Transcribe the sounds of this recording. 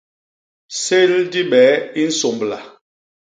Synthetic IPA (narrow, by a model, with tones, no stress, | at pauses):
se˦ldi˦ɓɛ˨˦i˦n̩˦so˨mbla˨